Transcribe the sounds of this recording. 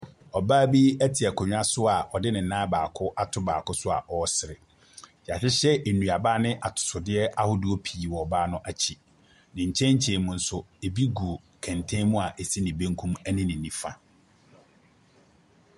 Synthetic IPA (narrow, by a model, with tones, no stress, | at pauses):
ɔ˨baː˦bi˦æ˦tʰɪ˨ɛ˨kʰɔ˨ɲᶣ˦a˦sʊ˦a˨ʔɔ˨dɪ˦nɪ̃˨n̩˨nãː˦baː˨kʰʊ˦ʔa˦tʰʊ˦ba̰ː˨kʊ˦sʊ˦a̰˨ʔɔ˦sɪ˨ɾɪ˨ | ja˨sɪ˦ɕɛ˦ʔe˨nũ˨a˨baː˦nɪ̃˦ʔa˨tʰʊ̥˨sʊ˨dɪ˦ɛ˦ʔa˦hʊ˦dʊ˦o˦pʰiː˨wɔ˨baː˦nʊ̃˦ʔa˨t͡ɕʰi˨ | nɪ̃˨ɲ̩˨t͡ɕʰɛ̃˦ɲ˦t͡ɕʰẽ˨mʊ̃˨n̩˨sʊ˦e˨bi˦ɡu˨ | kʰæ̃˨ntʰẽ˦mũ˦a˨ʔe˨si˦nɪ̃˨bẽ˦ŋ˦kʰũ˦mæ˦nɪ̃˦nɪ̃˨nːĩ˦fa˨